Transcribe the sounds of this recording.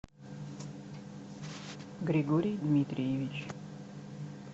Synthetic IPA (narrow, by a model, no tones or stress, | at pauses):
ɡɾʲɪɡoɾʲijd̪mʲit̪ɾʲijɪvʲɪt͡ɕ